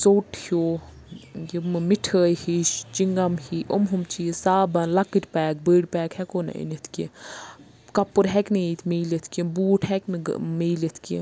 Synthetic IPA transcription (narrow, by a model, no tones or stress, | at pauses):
soːʈhoː | jimmiʈʰəːjhiʃt͡ʃiŋɡɐmhiʔomɦumt͡ʃisaːbɐnlɐkːiʈpɛːk̚bəːɽpɛːkhɛkona̰ʔḭnet̪ʰki | kɐpːɨɾɦɛknit̪ʰmiːlet̪ʰkibuːʈʰhɛknḭmeːlɐt̪ʰkḭ